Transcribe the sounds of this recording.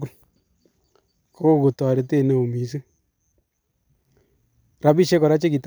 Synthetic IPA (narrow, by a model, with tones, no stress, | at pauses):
ʊ˦l | kɔ˦ko˦˨ku˨tɔ˨ɾe˨te˦˨ne˨o˨mi˨˦s̬e˦ | ɾa˨bi˦ʃe˦kɔ˨ɾa˦t͡ʃe˦ki˨t